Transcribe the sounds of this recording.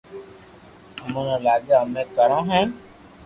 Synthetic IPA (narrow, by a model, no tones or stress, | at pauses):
əmõːnãːlaːɡjamẽːkəɾãːɦɛ̃ː